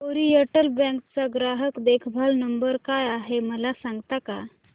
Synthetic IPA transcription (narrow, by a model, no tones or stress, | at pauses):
poɾiəʈəlbɛ̃ŋkt͡saɡɾaɦəkd̪ekʰbʱalnəmbəɾkajaɦeməlasãŋɡt̪aka